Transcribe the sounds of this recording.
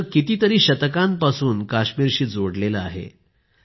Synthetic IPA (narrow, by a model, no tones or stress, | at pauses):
kit̪iːt̪əɾiːɕət̪əkãmpasuːnkaɕmiːɾɕiːd͡zoɽleləa̰ɦḛ